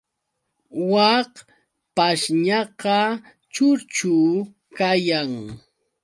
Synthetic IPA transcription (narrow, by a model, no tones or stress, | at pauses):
wɑq | paʃɲɑqɑ | t͡ʃʊɾt͡ʃu | kajaŋ